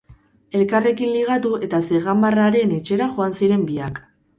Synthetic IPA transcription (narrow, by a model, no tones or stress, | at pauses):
e̞lkare̞kinliɣ̞at̪ue̞t̪ase̞ɣambaraɾe̞ne̞t͡ʃe̞ɾaʝo̞ansiɾe̞mbiak